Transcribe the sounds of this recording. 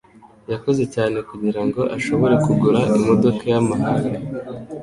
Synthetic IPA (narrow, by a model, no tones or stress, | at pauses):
jako̞ze̞caːne̞kuɟiɾaŋɡo̞ʔaʃo̞βo̞ɾekuɡuɾaʔimo̞do̞kajamaɦaŋɡa